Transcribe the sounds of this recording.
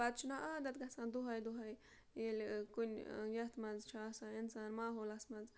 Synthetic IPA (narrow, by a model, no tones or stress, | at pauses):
ɐd̪̚t͡ʃʰunaʔaːd̪ɐt̪̚ɡɐsãːnd̪uɦɐjd̪uɦɐj | jelʲkunʲjɐt̪mɐnzt͡ʃʰaːsãːinsaːnmaːɦoːlɐsmɐnz